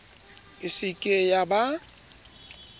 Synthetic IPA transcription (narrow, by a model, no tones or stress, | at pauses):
ɪsɪkʼejaba